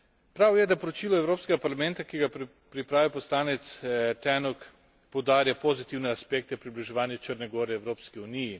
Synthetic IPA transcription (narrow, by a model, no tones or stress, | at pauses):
pɾawjɛd̪apɔɾɔt͡ʃiːlɔɛwɾoːpskɛɡapaɾlamɛnt̪akiɡa | pɾipɾaːʋipɔslaːnɛt̪st̪ɛːnɔk | pɔwd̪aːɾjapozit̪iwnɛaspɛk̚t̪ɛpɾibliʒɛʋaːnjat͡ʃəɾnɛɡɔːɾɛːwɾoːpskiuniji